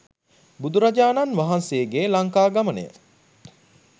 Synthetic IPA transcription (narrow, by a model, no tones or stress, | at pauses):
bud̪uɾad͡ʒaːnanʋaɦansejːɡeːlaŋkaːɡamɐnḛjə̰